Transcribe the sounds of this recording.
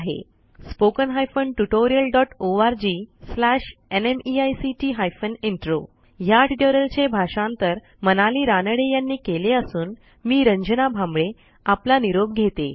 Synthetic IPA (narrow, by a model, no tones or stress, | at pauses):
aɦḛ | spokənɦajfəɳʈuʈoɾijəlɖɔʈoaɾd͡ʑiːslaʂenemiajsiʈiːɦajfəniɳʈɾo | jaʈiʈoɾəlt͡ɕebʱaʂãnt̪əɾ | mənaliːɾanəɽejanːiːkeleəsuːn | miːɾəɲd͡ʑənabʱãmbɭe | aplaniɾob̚ɡʱet̪e